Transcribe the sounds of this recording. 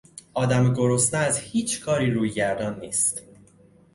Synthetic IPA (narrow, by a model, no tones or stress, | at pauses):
ʔɒːd̪æmɡo̞ɾosnææzhiːt͡ʃʰkʰɒːɾiːɾuːjɟæɾd̪ɒːnːiːst̪